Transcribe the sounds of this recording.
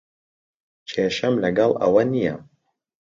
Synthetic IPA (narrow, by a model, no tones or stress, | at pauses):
t͡ʃʰeːʃɐmlɐɡɐlˠɐ̰wɐnijɐ̰